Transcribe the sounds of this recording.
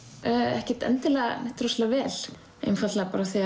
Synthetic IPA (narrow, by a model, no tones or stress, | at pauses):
œɛ̰hcɪt̪ɛ̰nt̪ɪlɛɣanɛht̪ɾɔslɛavɛːl | ḛjnfat̪lapa̰ːɾaθia